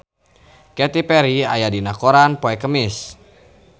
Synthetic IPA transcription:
kɛt̪ipɛɾiajadinakoɾanpoɛkəmɪs

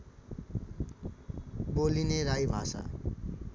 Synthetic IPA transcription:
bolineɾajbʱasa̰

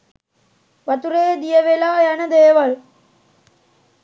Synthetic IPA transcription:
ʋɐt̪uɾeːd̪ijɐʋelaːjɐnɐd̪eːʋɐɭ

